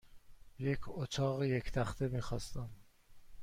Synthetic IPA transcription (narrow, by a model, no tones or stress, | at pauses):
jecʰot̪ʰɒːɣejekʰt̪ʰæxt̪ʰe̞miːxɒːst̪æm